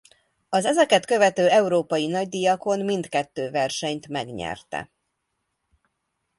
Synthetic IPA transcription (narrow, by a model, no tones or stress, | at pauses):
ɒzɛzɛkɛt̪kø̞vɛt̪øːɛuɾoːpɒjinɒɟd̪ijɒko̞nmind̪kɛt̪ːøːvɛrʃɛɲt̪mɛɡɲɛ̰rt̪ɛ̰